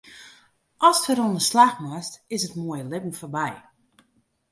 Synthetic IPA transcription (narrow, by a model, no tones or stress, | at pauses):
ɔstəɾɔndəslaxmastɪsətmoəjəlɪpn̩fɔrbɛj